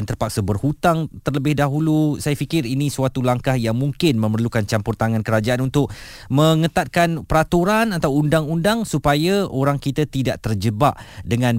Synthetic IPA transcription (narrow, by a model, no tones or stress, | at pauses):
nt̪ərpak̚səbərhut̪aŋt̪ərləbɪhdaɦulusajafikɪrinĩsuat̪ulaŋkahjaŋmũŋkɪnmə̃mərlukant͡ʃampʊrt̪aŋankəɾad͡ʒaʔanunt̪ʊk̚mə̃ŋət̪at̪̚kanpəɾat̪uɾanat̪awundaŋundaŋsupajaʔoɾaŋkit̪at̪idaʔt̪ərd͡ʒəbaʔ | dəŋãn